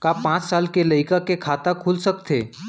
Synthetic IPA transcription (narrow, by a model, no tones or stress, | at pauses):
kapãt͡ssalkeləjkakekʰat̪akʰulsəkt̪ʰe